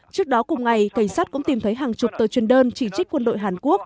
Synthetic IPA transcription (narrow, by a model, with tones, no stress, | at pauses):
t͡ɕɨ˦˥ək̚ɗɔ˨˦kʊ˨˩ŋ͡mŋa˨˩jka˧˩ŋ̟saː˦˥t̚kʊ̰˧˥ŋ͡mt̪i˨˩mt̪ʰə˨˦jɦaː˨˩ŋt͡ɕʊ˨˩k͡p̚t̪əː˨˦jt͡ɕwi˨˩ənɗəː˧nt͡ɕi˧˩t͡ɕï˦˥k̟̚kwə˧nɗo̰˧˨jɦaː˨˩nku˦˥ək̚